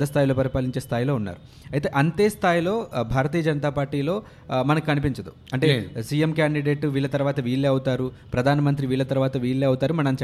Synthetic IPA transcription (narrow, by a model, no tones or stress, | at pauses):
ɐst̪ʰaːjlo̞ːpɐɾipaːliɲt͡ʃeːst̪ʰaːjlo̞ːunːa̰ːɾu | ɐjt̪e̞ːʔɐnt̪eːst̪ʰaːjilo̞ːbʱaːɾɐt̪iːjɐd͡ʒɐnɐt̪aːpaːɾʈiːlo̞ː | mɐnɐkikɐnipiɲt͡ʃɐd̪ṵ | ɐɳʈe̞ːsijemkjaːɳɖiɖe̞ːʈʋiːɭːɐt̪ɐɾuʋaːt̪ɐʋiːɭːeːɐwut̪aːɾu | pɾɐd̪ʱaːnɐmɐnt̪ɾiʋiːɭːɐt̪ɐɾuʋaːt̪ɐʋiːɭːeːɐwut̪aːɾumɐnɐmt͡ʃ